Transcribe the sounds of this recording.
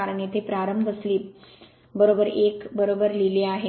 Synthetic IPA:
aɾɳet̪epɾaɾəmbʱəsliː | bəɾobəɾekbəɾobəɾlileaɦe

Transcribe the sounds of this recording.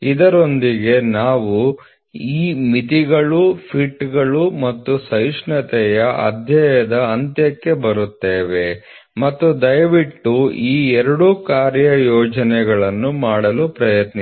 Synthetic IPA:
id̪ɐɾo̞nd̪iɡe̞naːʋu | iːmit̪iɡɐɭupʰiʈːɡɐɭumɐt̪ːusɐjʂɳɐt̪ɛjɐʔɐ̰d̪ʱjɐjɐd̪ɐɐnt̪jɐkːe̞bɐɾut̪ːeːʋe̞ | mɐt̪ːud̪ɐjʋiʈːuiːɛɾɐɽukaːɾjɐjɔːd͡ʒɐnɛɡɐɭɐnːumaːɽɐlupɾɐjɐt̪ni

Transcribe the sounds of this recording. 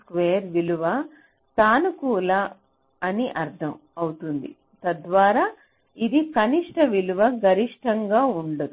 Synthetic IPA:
kʋeːɐɾʋiluʋɐ | t̪aːnukuːla | ɐniʔɐɾt̪ʰɐm | ɐwut̪und̪ḭ | t̪ɐd̪ʋaːɾaː | id̪ikɐniʂʈɐʋiluʋɐɡɐɾiʂʈɐŋɡaːuɳɖɐd̪u

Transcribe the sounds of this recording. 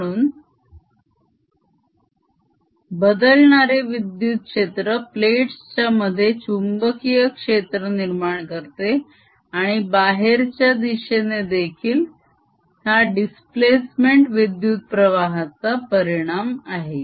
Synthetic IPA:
ɽuːn | bəd̪əlɳaɾeʋid̪jut̪̚kʂet̪ɾəpleʈst͡ɕaməd̪ʱːjet͡ɕumbəkijəkʂet̪ɾəniɾmaɳkəɾt̪e | aɽ̃ibaɦeɾt͡ɕjad̪iɕened̪ekʰiːl | ɦjaɖisplesmeɳʈʋid̪jut̪̚pɾəʋaɦat͡sapəɾiɽ̃amaɦe

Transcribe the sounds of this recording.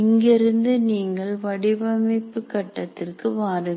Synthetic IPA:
ɪŋɡɪɾɯnd̪ɯniːŋɡɐɭʋɐɽɪbɐmɐɪpːɯkːɐʈːɐt̪ːɪrkɯʋaːɾɯ

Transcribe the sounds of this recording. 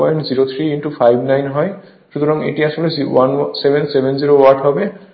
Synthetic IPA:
ɔjnziɾot̪ʰɾiːnʈupʰajbʱnajnɦɔj | ʃɾut̪ɔɾɔŋḛʈiasɔlesiwansebʱensebʱenziɾowaɾʈʰɦɔbe

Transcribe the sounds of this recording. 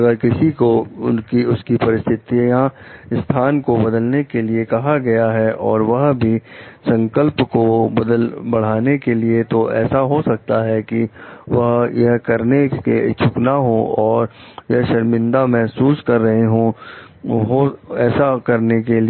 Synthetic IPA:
ɡəɾkɪsikoʊnkiʊskipɐɾɪst̪ʰɪt̪ijãɪst̪ʰaːnkobɐd̪əlnekeliekɐɦaɡɐjaɦɛʔɔːɾʋɐɦbʱisɐ̃ŋkəlpkobɐd̪əlbɐɽ̤aːnekeliet̪oʔɛ̰ːsaɦosɐk̚t̪aɦɛkiʋɐɦjɐɦkɐɾnekḛt͡ʃʰʊknaɦõɔːɾjɐɦʃɐɾmɪ̃nd̪amɛɦsuːskɐɾːɐɦeɦũ | ɦoɛːsakɐɾnekeli

